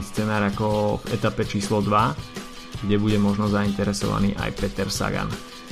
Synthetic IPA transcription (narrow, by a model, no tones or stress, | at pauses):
st͡sɛnaːɾakɔvɛ̰t̪apɛt͡ʃiːslɔd̪ʋa | ɡɟɛbuɟɛmɔʒnɔzaint̪ɛɾɛsɔ̰ʋa̰niːʔa̰jpɛt̪ɛɾsa̰ɡa̰n